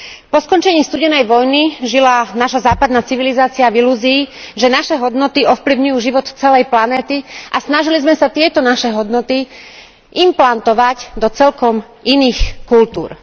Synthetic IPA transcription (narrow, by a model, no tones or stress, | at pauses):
pɔskɔnt͡ʃɛɲiːst̪uɟɛnɛjʋɔjniʒilanaːʃazaːpad̪naːt͡siʋilizaːt͡siaviluːziːʒɛnaʃɛɦɔd̪nɔt̪iɔfpliʊɲujuːʒiʋɔt̪t͡sɛlɛjplanɛːt̪iʔasnaʒilizmɛsat̪ɪɛt̪ɔnaʃɛɦɔd̪nɔt̪i | ʔimplant̪ɔʋacd̪ɔt͡sɛlkɔm | iniːxkult̪ṵːɾ